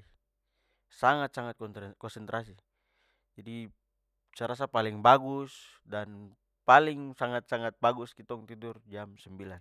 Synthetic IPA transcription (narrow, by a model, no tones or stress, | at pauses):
saŋat̪̚saŋat̪̚kɔnsɛnt̪ɾasi | d͡ʒadi | t͡ʃaɾas̬apaliŋbaɡusdan | paliŋsaŋat̪̚saŋat̪̚baɡuskit̪ɔŋt̪idurd͡ʒamsəmbilan